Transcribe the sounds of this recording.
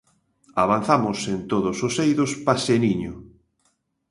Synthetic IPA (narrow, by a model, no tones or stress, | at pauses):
aβan̟θamʊsent̪oðʊsosejðʊspaseniɲʊ